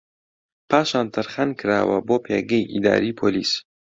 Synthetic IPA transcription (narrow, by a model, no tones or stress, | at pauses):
pʰaːʃaːnt̪ʰɨɾχɐnkʰɨɾa̰ːwɐ̰boːpʰeɡɐjʔḭd̪a̰ːɾiːpʰolḭːs